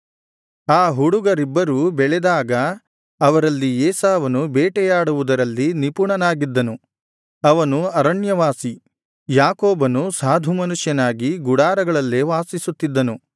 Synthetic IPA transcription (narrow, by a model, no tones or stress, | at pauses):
aːɦuɽuɡɐɾibːɐɾuːbɛɭɛd̪aːɡɐ | ɐʋɐɾɐlːieːsaːʋɐnubɛːʈɛjaːɽuʋud̪ɐɾɐlːinipuɳɐnaːɡid̪ːɐnu | ɐʋɐnuɐɾɐɳjɐʋaːsi | jaːkoːbɐnusaːd̪ʱumɐnuʂjɐnaːɡiɡuɽaːɾɐɡɐɭɐlːeʋaːsisut̪ːid̪ːɐnu